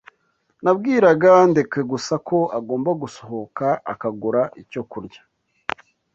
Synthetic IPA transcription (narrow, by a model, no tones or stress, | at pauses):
nabɡiːɾaɡandekweɡusakʰo̞aɡo̞ːmbaɡuso̞ɦo̞kaʔa̰kaɡuɾaʔico̞kuɾɟa